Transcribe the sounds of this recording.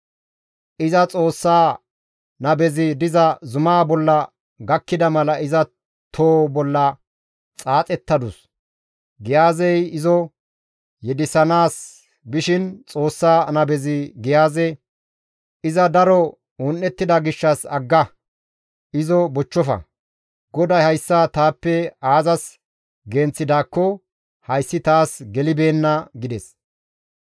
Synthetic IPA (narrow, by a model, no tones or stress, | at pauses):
ʔɪzɐt͡sʼo̞ːsːaː | nɐbɛzɪd̪ɪzɐzʊmaːbɔlːɐ | ɡɐkːɪd̪ɐmɐlɐʔɪzɐ | t̪ʰoːbɔlːɐ | t͡sʼaːt͡sʼɛt̪ːɐd̪ʊs | ɡɪjaːzɛjɪzɔ | jɛd̪ɪsɐnaːs | bɪʃɪnt͡sʼoːsːaːnɐbɛzɪɡɪjaːzɛ | ɪzɐd̪ɐɾɔ | ɔnːɛt̪ːɪd̪ɐɡɪʃːɐsɐɡːɐ | ɪzɔbɔt͡ʃːɔfɐ̰ | ɡɔd̪ɐjhɐjsːɐt̪aːpːɛaːzɐs | ɡɛnt͡sːɪd̪aːkːɔ | hɐjsːɪt̪aːsɡɛlɪbe̞ːnːɐɡɪd̪ɛs